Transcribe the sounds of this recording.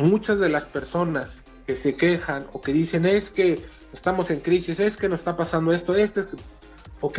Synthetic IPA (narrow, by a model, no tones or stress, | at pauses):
mut͡ʃazðe̞laspe̞ɾso̞nas | ke̞se̞ke̞xano̞̰ke̞ðise̞ne̞ske̞ | est̪amo̞se̞ŋkɾisise̞skenose̥st̪apasand̪o̞e̞st̪oest̪oese | ok